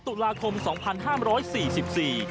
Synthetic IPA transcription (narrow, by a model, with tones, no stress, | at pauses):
t̪u˨˩laː˧kʰo˧msɔː˩˦ŋpʰa˧nɦaː˥˩mɾɔː˦˥jsiː˨˩si˨˩p̚siː˨˩